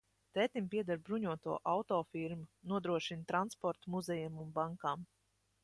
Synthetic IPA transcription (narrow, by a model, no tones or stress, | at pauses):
t̪ɛːt̪imʲpiɛd̪aɾbɾuɲuɔt̪uɔʔawt̪ɔːfiɾmunuɔd̪ɾuɔʃint̪ɾanspɔɾt̪umuzɛjamunbaŋkaːm